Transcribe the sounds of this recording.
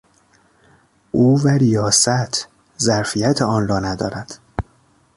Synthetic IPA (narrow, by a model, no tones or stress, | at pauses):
ʔuːvæɾijɒːsæt̪ʰ | zæɾfijæt̪ʰeɒːnrɒːnæd̪ɒːɾæd̪̥